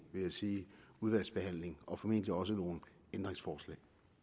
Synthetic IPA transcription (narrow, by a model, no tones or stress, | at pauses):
ʋe̝jasiːuðˠʋæl̰sb̥e̝hæn̰le̝ŋʔɒ̽fɒ̽me̝n̰d̥əliɒ̽s̬əno̝ːn̩ | end̥ʁeŋsfɒːslɛ̰ɪ